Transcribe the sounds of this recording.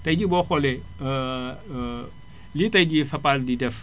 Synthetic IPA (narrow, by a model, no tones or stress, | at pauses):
tɐjd͡ʒibɔxɔle | litɐjd͡ʒifɐpaldidɛf